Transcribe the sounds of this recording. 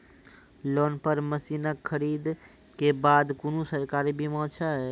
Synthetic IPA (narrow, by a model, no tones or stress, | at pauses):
loːnpəɾməsiːnəkʰːəɾiːd̪ | kebaːd̪kʊnũsəɾkaːɾibʱimɔ̃ːt͡ʃʰaɦɛː